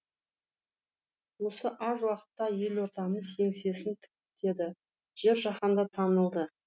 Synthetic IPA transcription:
wo̞səʔɑzwɑqə̥t̪ːɑje̞lwo̞ɾt̪ɑməze̞ŋse̞sɪnt̪ʰɪ̥k̚ʲɪt̪e̞d̪ɪ | ʒ̥e̞ɾʒɑχɑnd̪ɑt̪ʰɑnəlˠd̪ə

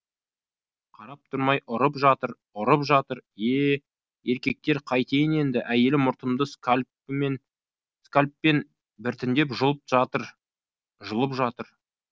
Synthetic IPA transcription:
qʰɑɾɑp̚t̪ʰʊɾmɑjʔʊɾəpʒɑt̪əɾ | ʊɾəpʒɑt̪əɾe | e̞ɾkʲe̞k̚t̪e̞ɾqʰɑjt̪e̞jɪne̞nd̪ɪʔæje̞lɪmʊɾt̪əmd̪əsk | n | skalʲpːe̞n | bɪɾt̪ɪnd̪e̞pʒəlˠəp̚ʒɑt̪əɾ | ʒəlˠəpʒɑt̪əɾ

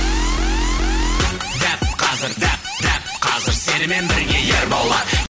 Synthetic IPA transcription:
d̪æpqʰɑzɪɾd̪æpd̪æp̚qʰɑzɪɾse̞nɪme̞nbɪɾɡʲe̞jeɾbɑlˠːɑ

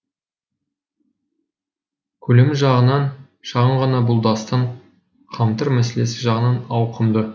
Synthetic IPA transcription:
kʲʰɵlemɪʒɑʁənɑn | ʃɑʁəɴʁɑnɑbʊlˠd̪ɑst̪əɴ | qʰɑmt̪əɾmæse̞le̞sɪʒɑʁənɑnɑwqʰəmd̪ə

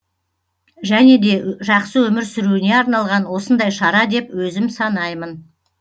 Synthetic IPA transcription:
ʒæne̞d̪e̞ʒɑqsəwɵmɪɾsʏɾuɪne̞ɑɾnɑlˠʁɑnwo̞sənd̪ɑjʃɑɾɑd̪e̞pwɵzɪmsɑnɑjmən

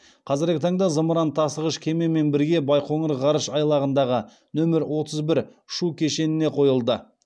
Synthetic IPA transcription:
qʰɑzɪɾɡʲɪt̪ʰɑɴd̪ɑzəməɾɑnt̪ʰɑsəʁəʃkʲʰe̞me̞me̞nbɪɾɡʲe̞bɑjqʰo̞ɴəɾʁɑɾəʃɑjlˠɑʁənd̪ɑʁə | nɵmɪɾwo̞t̪ʰəzbɪɾ | ʃukʲʰe̞ʃe̞nɪne̞qʰo̞jəlˠd̪ə

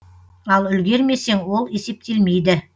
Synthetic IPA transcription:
ɑlˠʏlɡʲe̞ɾme̞se̞ŋwo̞lˠe̞se̞p̚t̪e̞lme̞jd̪ɪ

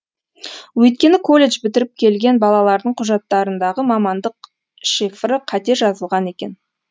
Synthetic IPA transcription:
wɵjt̪̚kʲe̞nɪkʰo̞lʲːe̞ʒbɪt̪ɪɾɪp̚kʲʰe̞lɡʲe̞nbɑlˠɑlˠɑɾd̪əɴqʰʊʒɑt̪ːɑɾənd̪ɑʁəmɑmɑnd̪əq | ʃefrəqʰɑt̪e̞ɾʒɑzəlˠʁɑne̞kʲe̞n

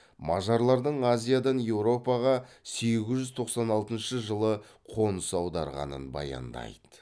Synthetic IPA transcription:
mɑʒɑɾlˠɑɾd̪əɴazʲijad̪ɑnje̞wɾo̞pɑʁɑ | se̞ɡʲɪzʒʏzt̪ʰo̞qsɑnɑlˠt̪ənʃəʒəlˠə | qʰo̞nəsɑwd̪ɑɾʁɑ̰nə̰nbɑ̰jɑ̰nd̪ɑ̰jd̪ə̥

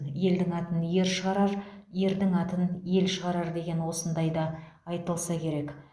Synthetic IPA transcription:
je̞ld̪ɪŋɑt̪ənje̞ɾʃəʁɑɾɑɾje̞ɾd̪ɪŋɑt̪ənje̞lʃəʁɑɾɑɾd̪e̞ɡʲe̞nwo̞sənd̪ɑjd̪ɑː | jt̪əlˠsɑkʲʰe̞ɾe̞k

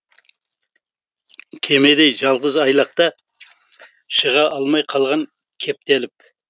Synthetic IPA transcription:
kʲʰe̞me̞d̪ejʒɑlˠʁəzɑjlˠɑq̚t̪ɑ | ʃəʁɑʔɑlˠmɑjqʰɑlˠʁɑŋ | kʲʰe̞p̚t̪elɪp

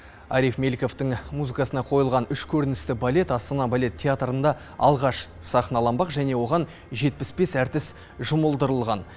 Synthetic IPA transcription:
ɑ̰ɾijfme̞lʲkʲo̞ft̪əɴmuzɨkɑsənɑqʰo̞jəlˠʁɑnʏʃkʲʰɵɾɪnɪst̪ɪbalʲe̞t̪ɑst̪ɑnɑbalʲe̞t̪ʲʰːeat̪ɾənd̪ɑ | ɑlˠʁɑʃ | sɑχənɑlˠɑmbɑqʒæne̞wo̞ʁɑn | ʒe̞t̪̚pɪspe̞sæɾt̪ɪs | ʒʊməlˠd̪əɾəlˠʁɑn

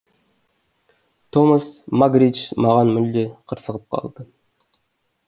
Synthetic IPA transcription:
t̪ʰoməsmaɡɾit͡ʃmɑʁɑnmʏld̪eqʰəɾsəʁəp̚qʰɑ̰lˠd̪̥ə

